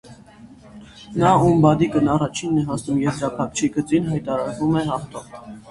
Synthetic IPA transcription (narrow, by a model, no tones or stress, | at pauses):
nɑumbɑd̪ikənɑrɑt͡ʃʰinːɛɦɑsnumjɛzɾɑpʰɑk̚t͡ʃʰiɡət͡sinɦɑjt̪ɑɾɑɾvumɛɦɑχt̪ɔv